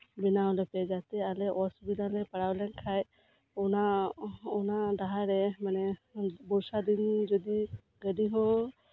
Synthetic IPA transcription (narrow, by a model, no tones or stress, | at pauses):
binaɔlɛpɛd͡ʒat̪ɛalɛʔɔsbinalɛpaɽawlɛnkʰaj | ɔna | ɔnadaɦaɾɛmanɛbɔɾsad̪ind͡ʒɔd̪i | ɡəɖiɦɔ̃